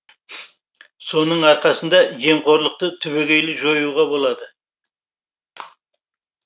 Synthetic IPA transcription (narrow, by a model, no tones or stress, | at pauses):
so̞nəɴɑɾqɑsənd̪ɑje̞mqʰo̞ɾlˠəq̚t̪ət̪ʰʏβeɡʲe̞jlɪʒo̞juʁɑbo̞lˠɑd̪ə